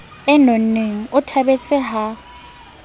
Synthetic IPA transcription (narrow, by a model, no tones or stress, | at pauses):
ɛnon̩neŋ̩ʊtʰabet͡sʼɪɦa